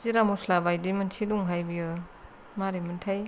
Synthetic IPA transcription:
ziɾamuslabajdimɯntʰiduŋɦajbijɯ | maɾemɯntʰaj

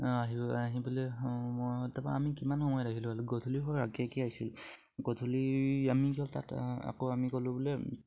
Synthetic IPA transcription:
aɦibaɦibulɛmojɦoltapa̰amikimanxɔmɔjɔdakilʊ̃aluɡɔtʰuliɦɔakɛkiaɦjsil | ɡɔt̪ʰuliamikiɔlta̰ta̰koamikolʊ̃bulɛ

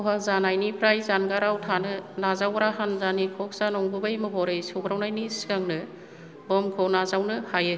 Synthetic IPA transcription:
ɔɦazanajnipʰɾajzanɡaɾawtʰanɯnazawɡɾaɦanzanikʰɔk̚zanɔŋbɯbajmɯɦɔɾɯjsɔwɡɾawnajnisiɡaŋnɯ | bɔmkʰɔwnazawnɯhajɯ

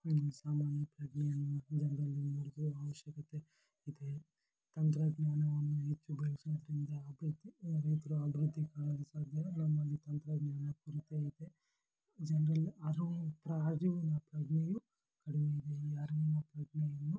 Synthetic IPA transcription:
ɐnusaːmaːnjɐpɾɐɡɳɛjɐnːud͡ʒɐnɐɾɐlːinoɽid̪uɾuɐʋɐʃjɐkɐt̪e | id̪e | t̪ɐnt̪ɾɐɡ̪ɲaːnɐʋɐnːuɦet͡ʃːubʱɐːisinɐd̪ɐɾind̪ɐːbʱɾud̪ʱːiɾɐjt̪ɐɾuɐbʱiɾud̪ʱːikaːɭɐd̪usaːd̪enɐmːɐlːit̪ɐnt̪ɾɐɡ̪ɲaːnɐpuɾɐt̪iid̪e | d͡ʒɐnɾɐlɐɾup̪ɾɐːɾiʋɐnɐpɾɐɡneju | kɐɽiʋeid̪eiɐɾiʋunɐpɾɐɡɳɛjɐnːu

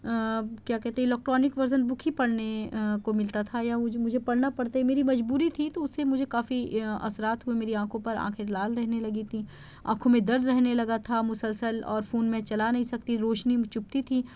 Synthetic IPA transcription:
kjaːkɛɦt̪eɦɛ̃lɛːk̚ʈɾɔːnɪkʋɐɾzənbʊkʰipɐɽnekomɪlt̪at̪ʰajaʊmʊd͡ʒʱepɐɽnapɐɽt̪aɦɛmeːɾimɐd͡ʒbuːɾit̪ʰit̪oʊsːemʊd͡ʒʱekaːfiɐ̰sɾaːt̪ɦʊemeːɾiãːkʰõpɐɾã̰ːkʰelaːlɾɛɦnelɐɡit̪ʰi | ãːkʰõmẽd̪ɐɾd̪ɾɛɦnelɐɡat̪ʰamʊsəlsəlɔːɾfuːnmẽt͡ʃɐlanɐɦĩsɐk̚t̪iɾoːʃnit͡ʃʊp̚t̪it̪ʰiː

